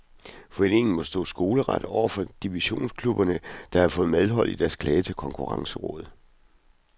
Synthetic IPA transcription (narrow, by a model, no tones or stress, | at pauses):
fɒene̝ŋn̩mɒ̽sd̥ɔ̰ːsɡ̥o̝ːləʁɑd̥əɒ̰ʊ̰ɐfɒ̽d̥iʋiɕo̝̰ːnskʰlub̥ɐnəd̥ɑ̈hɑ̈fɔ̽ːð̩ˠmeð̞ˠɦɒ̽l̰id̥æɐskʰlɛːət͡sʰe̝lkʰɒ̽ŋkʰuʁɑ̈ŋsəʁɔ̰̽ːð̞̩ˠ